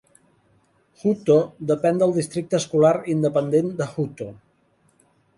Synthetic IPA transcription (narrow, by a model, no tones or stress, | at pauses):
xut̪od̪əpɛnd̪əlˠd̪ist̪ɾik̚t̪əːskulaɾind̪əpənd̪end̪əxut̪o